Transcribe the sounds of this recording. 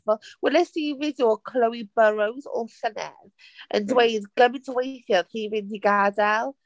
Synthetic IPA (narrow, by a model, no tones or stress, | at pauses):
vɔlˠwɛlɛsiːvɪdjɔkʰləwibəɾəwzɔ̰ɬənɛ̰ð | ə̰ndwejdɡ̥əmɪ̃ntʰwejθjɔθiːvɪndiɡadɛlˠ